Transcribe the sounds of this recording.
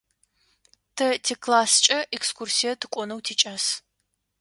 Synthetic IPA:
tʰɐtʰekʰlaːst͡ʃʼɐʔɛkskʷursijɐtʰɨkʷʼɔnɐwtʰiːt͡ʃʼaːs

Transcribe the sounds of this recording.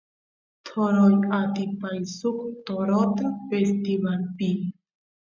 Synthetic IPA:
t̪ʰoɾojat̪ipajsukt̪oɾot̪avest̪imanpi

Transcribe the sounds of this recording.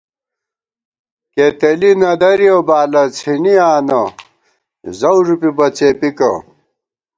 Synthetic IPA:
ket̪elinɐd̪ɐɾiobaːlɐt͡sʰiniaːnɐ | zɐwʐupibɐt͡seːpikɐ̰

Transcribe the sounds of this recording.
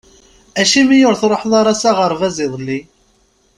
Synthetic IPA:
æʃimijʊɾθɾˤoħðˤɑɾˤɑsaʁəɾˤvæzɪðˤlːi

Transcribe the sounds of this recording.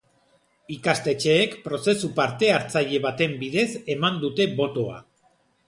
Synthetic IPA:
ikast̪e̞t͡ʃe̞ːkpɾo̞se̞supaɾt̪e̞aɾt͡saʎe̞βat̪e̞mbiðe̞se̞mand̪ut̪e̞βo̞t̪o̞a̰

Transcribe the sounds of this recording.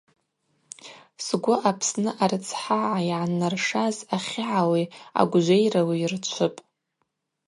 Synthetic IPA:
sɡʷʊʔapʰsnɨʔarɨt͡sʰħaʕajʕanːarʂazaχʲɪʕawia̰ɡʷʒʷejrawirt͡ʃʷʰɨpʼ

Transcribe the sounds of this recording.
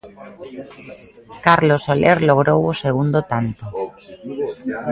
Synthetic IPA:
kaɾlosoleɾloɣ̞ɾowoseɣ̞und̪ot̪ant̪o

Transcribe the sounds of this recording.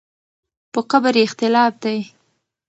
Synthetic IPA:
pəqabaɾɪxt̪ɪlɑfd̪aj

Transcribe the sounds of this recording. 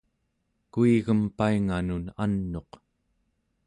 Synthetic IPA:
kuiɣəmpaiŋanunanːo̞q

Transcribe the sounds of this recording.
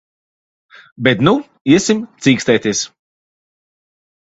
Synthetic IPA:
bɛt̪nu | iɛsimt̪siːkst̪ɛjt̪iɛs

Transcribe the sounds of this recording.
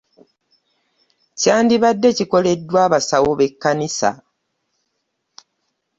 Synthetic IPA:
caːndiβadːe̞ciko̞le̞dːwaːβasawoβe̞kːanisa̰

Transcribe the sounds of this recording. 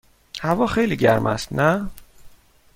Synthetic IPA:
hævɒːxejliːɟæɾmʔæ̰st̪næ

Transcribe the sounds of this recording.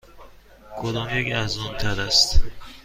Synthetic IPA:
kʰod̪ɒːmjecæzɒːnt̪ʰæɾd̪æst̪

